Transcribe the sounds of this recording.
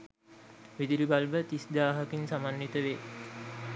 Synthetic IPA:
ʋid̪ilibalʋət̪isd̪aːɦəkinsamanjit̪əʋeː

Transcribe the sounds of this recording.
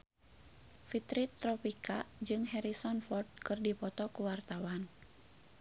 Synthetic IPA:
fit̪ɾit̪ɾɔpikad͡ʒɨŋɦɛɾisɔnfɔrd̚kɨrdipɔt̪ɔkuwart̪awan

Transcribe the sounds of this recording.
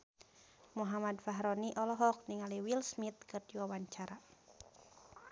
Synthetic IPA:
muɦamadfaɦɾɔniʔɔlɔɦɔk̚niŋaliwilsmit̪̚kɨrdiwawaɲt͡ʃaɾa

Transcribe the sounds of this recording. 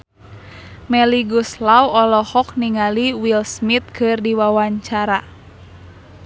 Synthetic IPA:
mɛliɡuslawɔlɔhɔk̚niŋaliwilsmit̪̚kʰɨrdiwawaɲt͡ʃaɾa

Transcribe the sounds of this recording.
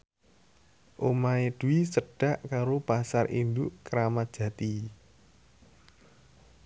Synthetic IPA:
ʔomaeɖ̪̥uisəɖ̥a̤ʔkaɾopasarʔḭnd̪ʊʔkəɾamat̪̚ʒ̥ä̤t̪i

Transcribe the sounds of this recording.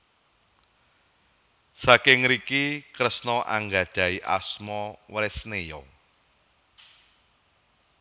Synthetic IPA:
sakɪŋɾikikɾəsnɔʔa̰ŋɡḁʒ̥a̤iʔa̰smɔwɾesnejɔ

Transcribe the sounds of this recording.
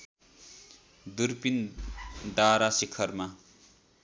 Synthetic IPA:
d̪urpin | ɖaɾasikʰʌrma

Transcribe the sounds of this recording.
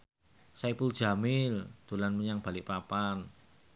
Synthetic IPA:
saipuld̥ʒ̥a̤mɪld̪̥o̤lanməɲaŋb̥a̤lɪʔpapan

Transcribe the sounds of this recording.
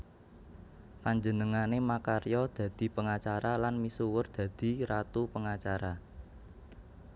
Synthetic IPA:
paɲd͡ʒənəŋanemakaɾjɔd̪̥a̤d̪̥i̤pəŋat͡ʃaɾalanmisuwərd̪̥ä̤d̪̥i̤ɾat̪upəŋat͡ʃaɾa

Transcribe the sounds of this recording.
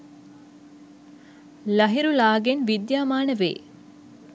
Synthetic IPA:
lɐɦiɾulaːɡenʋid̪jaːmaːnəʋḛː

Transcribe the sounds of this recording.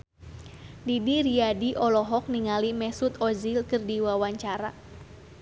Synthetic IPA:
didiɾiadiʔɔlɔɦɔk̚niŋalimɛsut̪ɔzilkɨrdiwawaɲt͡ʃaɾa̰

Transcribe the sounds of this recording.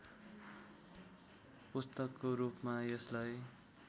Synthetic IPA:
pust̪ʌkːoɾupmajʌslaj

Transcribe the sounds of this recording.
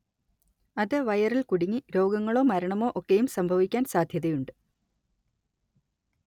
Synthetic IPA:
ɐðɨʋɐjɐrilkuɽiŋːiɾo̞ːɡɐŋːɐɭo̞ːmɐɾɐɳɐmo̞ːʔokːejumsɐmbʱɐʋikʲːaːnsaːd̪ʱjɐðɐjuɳɖɨ

